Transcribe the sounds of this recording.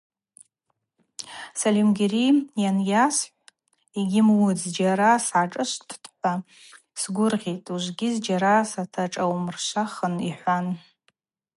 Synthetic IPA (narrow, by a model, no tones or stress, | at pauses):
salimɡʲerijanjasħʷ | iɡʲɪmwʊd͡zd͡ʒaɾasʕaʈ͡ʂʼɨʃʷtʰtʰʼpa | sɡʷʊrʁʲetʼuʒʷɡʲɪzd͡ʒaɾasatʰaʈ͡ʂʼawmrʃʷaχəniħʷan